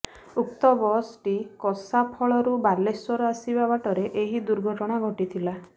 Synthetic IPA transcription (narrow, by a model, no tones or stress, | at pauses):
uk̚t̪ɔbɔsʈikɔsapʰɔɭɔɾubaɾleswɔɾɔasibabaʈɔɾeʔeɦid̪uɾɡʱɔʈɔɽ̃aɡʱɔʈit̪ʰila